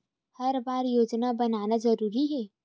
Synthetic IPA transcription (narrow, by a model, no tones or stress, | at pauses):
hɐɾbaːɾjoːd͡ʒnabɐnaːnazɐɾuːɾiɦɛː